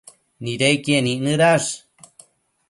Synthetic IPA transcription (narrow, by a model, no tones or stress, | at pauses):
niɾejkieniʔnɨɾaʂ